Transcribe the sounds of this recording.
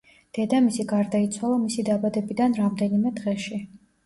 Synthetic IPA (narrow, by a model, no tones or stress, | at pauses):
d̪̥ɛd̪amisiɡaɾd̪ait̪sʰwalˠamisid̪abad̪ɛbid̪anɾamd̪ɛnimɛd̪ʁɛʃi